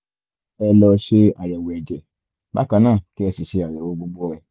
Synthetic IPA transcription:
ɛ˧lɔ˧˦ʃe˧a˨jɛ˨wo˨ɛ˨d͡ʒɛ˨ | ba̰˦kã˧˦nãː˦˨ki˦ɛ˧si˨ʃe˧˦a˨jɛ˨wo˨˧˦bo˧ɡ͡bu˦ɔ˧ɾɛ˧˨

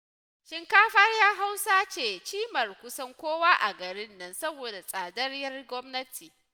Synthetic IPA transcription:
ʃɪ˦ŋkaː˦ɸɐ˦rjaː˦ɦa˦wsaː˦t͡ʃeː˨t͡ʃiː˦mɐ˨rkʷʊ˦sɐ˦ŋkʷoː˦waː˦ʔa˨ɡɐ˨ɾɪ˦nːɐ˦nsɐ˦boː˨da˨sʼaː˨dɐ˦rjɐ˦rɡʷɔ˦mnɐ˦tʰiː˨

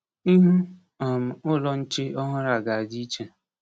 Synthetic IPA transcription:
i˦ɦʊ˦ | a˨m̩˨ʊ˦lɔ˨n̩˦t͡ʃɪ˦ɔ˦ɦʊ˦ɾa˨ɡa˨a˨d͡ʒi˦i˦t͡ʃe˨

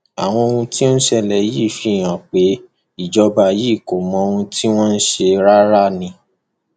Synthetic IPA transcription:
a̰˨w̃ɔ̃˧o˧hũ˧ti˦o˦ʃɛ˧lɛ˨jiː˦˨fi˧˦˨j̃ã˨k͡pe˨˦ | i˦˨d͡ʒɔ˧ba˧˨jiː˦˨ko˨mɔ̃˧o˧ũ˧tʰi˦w̃ɔ̃˦n̩˦ʃe˧ɾa˦ɾa˦nĩ˧

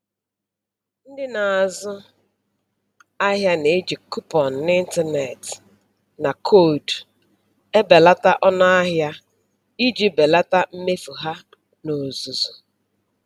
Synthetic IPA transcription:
n̩˦dɪ˦na˨a˨zʊ˦ | a˦ɦja˦ne˨e˦d͡ʒi˨ku˦pɔ˨n̩˨nɪ˦n̩˦tɛ˦ne˨t | na˨kʰo˦˨d | e˦be˨la˦ta˦ʔɔ˦na˦a˦ɦja˦ | i˦d͡ʒi˨be˨la˦ta˦m̩˦me˦fu˨ɦa˦ | no˨zu˨zu˨

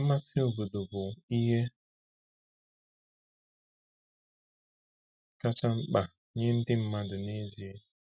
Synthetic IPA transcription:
ma˦si˦o˨bo˨do˨bʊ˨i˦ɦe˦ | ka˦t͡ʃa˦ŋ͡m̩˦k͡pa˨ | ɲɪ˦n̩˦dɪ˦m̩˦ma˦dʊ˨ne˦zi˨e˦

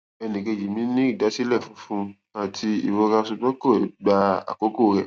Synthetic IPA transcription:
ɛ˧nĩ˨ke˧˨ji˨mĩ˨˦nĩ˦i˦˨da˨˦si˦lɛ˦˨fũ˨˦fũ˦ | a˨tʰi˧ḭ˨wo˧ɾa˧su˧ɡ͡bɔ˦ko˦˨ɛ˨˦ɡ͡ba˧a̰˨ko˨˦ko˦˧ɾɛ˦˨

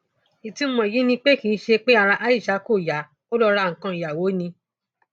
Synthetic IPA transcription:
i˨ti˨˦mɔ̃˨ji˨˦nĩ˧k͡pe˦ki˨˦ʃe˧k͡pe˦a˧ɾã˧ʔa˧˦i˦˨ʃa˨˦ko˦˨ja˨˦ | o˦lɔ˧ɾa˧˨ŋ̩˨kã˧i˨ja˨wo˨˦nĩ˧

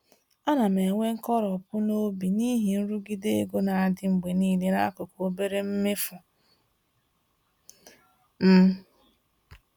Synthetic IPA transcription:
a˦na˨me˨ŋʷe˦ŋ̩˦kɔ˦ɾɔ˨pʊ˦no˦bi˨ni˦ɦi˨n̩˦ɾu˦ɡi˦de˦e˦ɡo˦na˨a˨dɪ˦ŋ͡m̩˨ɡ͡be˨niː˦le˦na˦kʊ˨ko˦be˦ɾe˦m̩˦mɪ˦fʊ˨ | m̩˦

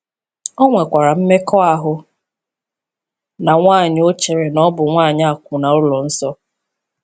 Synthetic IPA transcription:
ɔ˦ŋʷe˨kʷa˨ɾa˨m̩˦me˦kɔ˦a˨ɦʊ˨ | na˨ŋʷaː˦˨ɲ˦o˦t͡ʃe˨ɾe˨nɔ˦bʊ˨ŋʷaː˦˨ɲ˦a˨kʷʊ˨na˨ʊ˦lɔ˨n̩˦sɔ˦

